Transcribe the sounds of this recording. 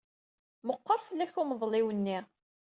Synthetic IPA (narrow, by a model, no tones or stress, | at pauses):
məqːəɾˤfəlːæçʊməðˤlɪwənːiʁ